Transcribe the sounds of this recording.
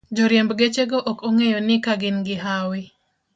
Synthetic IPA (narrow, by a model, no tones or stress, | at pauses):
d͡ʒoɾjɛmbɡet͡ʃeɡoʔokoŋejonɪkaɡɪnɡɪɦawɪ